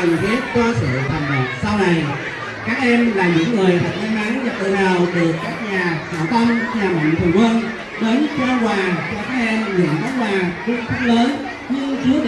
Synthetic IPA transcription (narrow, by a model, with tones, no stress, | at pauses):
ə˨˩ŋt̪ʰi˨˦˥ət̚kwaː˧sɨ̰˧˨t̪ʰə˨˩mmə˨˩t̚sa˧wna˨˩j | kaː˦˥k̚ʔɛ˧mlaː˨˩ɲɨ̰˧˥ŋːɨ˨˩əjt̪ʰa˨˩k̚ʔa˧nʔa˨˦ŋnza˨˩t̪ɨ̰˧˩naː˨˩wɗɨ˨˩əkːaː˦˥k̚ɲaː˨˩sa̰ː˧˩wt̪ə˧mɲaː˨˩ma̰˧˨ŋ̟t̪ʰə˨˩ŋkə˧n | ɗe˨˦nt͡ɕɔ˧kwaː˨˩t͡ɕɔ˧kaː˦˥k̚ʔɛ˧mŋɨ̰˧˨nkʰa˨˦kwaː˨˩kʊ˧ŋ͡mkʰaː˦˥k̚ləː˨˦n | ɲɨ˧ŋt͡ɕɨ˨˦ə